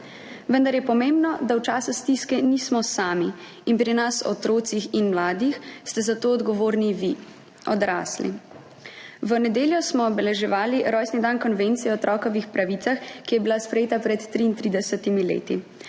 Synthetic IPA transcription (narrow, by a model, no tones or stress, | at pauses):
ʋənd̪aɾjɛpɔmeːmbnɔd̪awt͡ʃaːsust̪iskɛniːsmɔsaːmi | inpɾinasɔ̰t̪ɾoːt̪sixinmlaːd̪ixst̪ɛzat̪oːɔd̪ɡɔʋoːɾniʋi | ɔd̪ɾa̰ːslḭ | ʋənɛd̪eːljɔsmɔːbɛlɛʒɛʋaːliɾɔjsnid̪ankɔnʋent̪sijɛɔt̪ɾɔːkɔʋixpɾaʋit̪saxkijɛbilaspɾɛjeːt̪apɾɛt̪ːɾiːnt̪ɾid̪ɛsɛt̪imilḛːt̪i